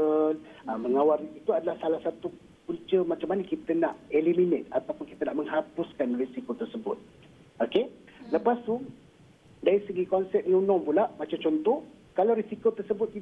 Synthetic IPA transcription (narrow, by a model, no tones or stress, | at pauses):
əl | aməŋawaɾiit̪uadalahsalahsat̪u | kuɲt͡ʃəmat͡ʃamːanəkit̪ənaʔeliminet̪̚at̪awpʊnkit̪ənaʔməŋɦapuskanrisikot̪ərsəbʊt̪̚ | oke | ləpast̪u | daɾisəɡikɔnsɛp̚niunɔ̃ŋpulaʔmat͡ʃamt͡ʃɔnt̪ɔh | kalawɾisikot̪ərsəbʊt̪̚ki